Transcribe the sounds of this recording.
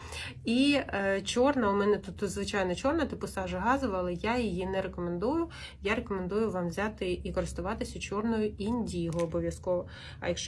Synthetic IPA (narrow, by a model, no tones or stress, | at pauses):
it͡ʃɔrnɐʊmɛnɛt̪ut̪ːzʋɪt͡ʃɑjnɔt͡ʃɔrnɐt̪ɪpʊsɑʒɐɦɑzʊʋɐlˠɛjajɪjinɛɾekɔmend̪ujʊ | jaɾekɔmend̪ujʊʋɑmʋzʲat̪ɪikɔɾɪst̪ʊʋɑt̪ɪsʲʊt͡ʃɔrnɔjʊinʲdʲijɦɔːbɔʋʲjɐskɔʋɔ | ɐ̰jɐkʃ